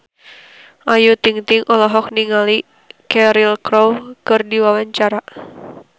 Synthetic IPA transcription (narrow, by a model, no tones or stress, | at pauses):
ʔajut̪iŋt̪iŋʔɔlɔɦɔk̚niŋali | kɛɾilkɾɔwkɨrdiwawaɲt͡ʃaɾa